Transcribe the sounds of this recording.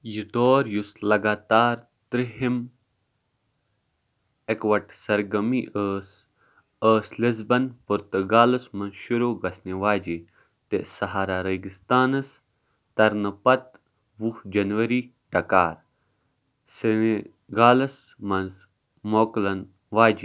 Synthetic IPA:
jid̪oːɾjuslɐɡaːt̪aːɾ | t̪ɾiɦim | ekʋɐʈsɐɾɡɐmiʔəːs | əːslizbɐnpuɾt̪ɨɡaːlɐsmɐnʃuɾoːɡɐsniʋaːd͡ʒi | t̪ḛsɐɦaːɾaːɾɐɡist̪aːnɐs | t̪ɐɾnɐpɐt̪ | ʋuhd͡ʒɐnʋɐɾi | ʈɐkaːɾ | sine | ɡaːlɐs | mɐnz | moːklɐn | ʋaːd͡ʒi

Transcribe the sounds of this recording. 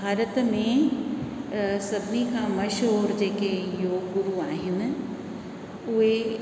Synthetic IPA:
bʱaːɾət̪mẽ | sɐbnikʰãmɐʃɦɔːɾd͡ʑeːkejoːɡɡʊɾuaːɦɪnɪ̆ | ʊɦe

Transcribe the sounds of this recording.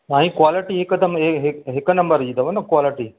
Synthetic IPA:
ãːɦĩkʋaːlɪʈiekːəd̪əmeɦeɦeknɐ̃mbəɾd͡ʒid̪ɐʋonɐkwaːlɪʈi

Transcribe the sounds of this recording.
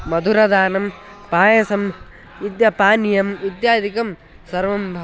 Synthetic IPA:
mɐd̪ʱuɾɐd̪aːnɐm | paːjɐsɐm | id̪jɐpaːnjɐmid̪jaːd̪ʱikɐm | sɐɾʋɐmbʱɐ

